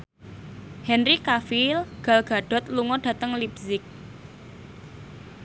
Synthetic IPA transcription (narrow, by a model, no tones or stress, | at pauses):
hɛnrikafilɡ̥a̤lɡ̥a̤ɖ̥ɔ̤t̪luŋɔɖ̥ä̤t̪əŋlibsɪk̚